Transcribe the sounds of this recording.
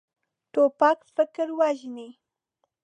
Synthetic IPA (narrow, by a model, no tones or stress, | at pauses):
ʈopakfɪkɾwaʒni